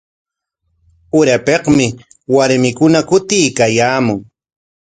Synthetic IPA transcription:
ʊɾapeqmɪ | waɾmɪkʊnakʊt̪ɪjkajaːmʊŋ

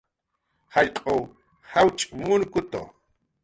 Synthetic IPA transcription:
haʎqʼow | hawt͡ʃʼmʊnkʊt̪o̰

